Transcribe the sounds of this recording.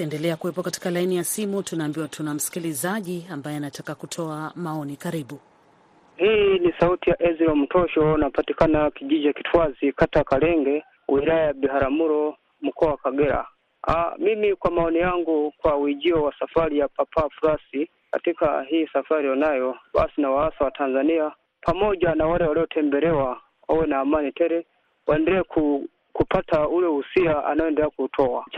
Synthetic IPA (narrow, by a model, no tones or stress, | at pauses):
tɛndɛlɛakuwɛpɔkati̥kalainijasimutunaːmbiwatʰunam̩si̥kilizaʄiambajɛanatakakutʰɔamaɔnikaɾiɓu | hiːnisautijaʔɛziɾɔm̩tɔʃɔnapatikanakiʄid͡ʒakitʰwazikatakalɛŋɡɛ | wiɾajajabihaɾamuɾɔ | m̩kɔawakaɡɛɾa̰ | a̰mimikwamaɔnijaŋɡukwawid͡ʒiɔwasafaɾijapapafuɾasi | ka̰tika̰ɦiːsafaɾijɔnajɔba̰sinawaasawatʰanzania | pʰamɔd͡ʒanawaɾɛwaliɔtʰɛmbɛɾɛwa | ɔwɛnaːmanitɛɾɛ | waɛndɛɾɛkʰu | kupataulɛusiaʔa̰najɔɛndɛɾɛakutʰɔwat͡ʃ